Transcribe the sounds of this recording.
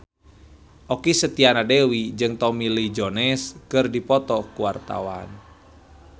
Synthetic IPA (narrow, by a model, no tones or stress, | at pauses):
ʔɔkisət̪ianadewid͡ʒɨŋt̪ɔmilid͡ʒɔnɛskɨrdipɔt̪ɔkuwart̪a̰wa̰n